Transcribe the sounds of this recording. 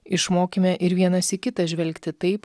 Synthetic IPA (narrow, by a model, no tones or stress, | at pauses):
ɪʃmoːkʲimʲɛʔɪɾʋʲiɛnɐsikʲɪt̪ɐʒʲʋʲɛlʲkt̪ʲɪt̪ɐɪp